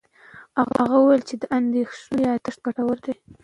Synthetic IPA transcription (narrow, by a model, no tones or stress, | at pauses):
haɣa̰aɣawuwajlt͡ʃed̪əʔand̪exʂnojɑt̪əʂt̪̚baʈawəɾd̪e